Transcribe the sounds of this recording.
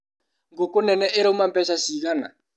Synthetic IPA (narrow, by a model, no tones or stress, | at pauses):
ŋɡokʊnɛnɛʔɪɾɪumampɛsasiɣana̰